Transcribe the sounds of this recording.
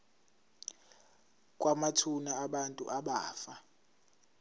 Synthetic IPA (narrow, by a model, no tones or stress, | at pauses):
k̬ʼwamatʰunaːɓantʼṵʔaɓaːfa